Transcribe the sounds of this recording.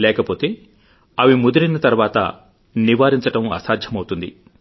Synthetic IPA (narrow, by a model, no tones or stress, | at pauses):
lɛːkɐpo̞ːt̪e̞ː | ɐʋimud̪uɾinɐt̪ɐɾʋaːt̪ɐ̰ | niʋaːɾiɲt͡ʃɐʈɐmɐ̰saːd̪ʱjɐmɐwut̪und̪ḭ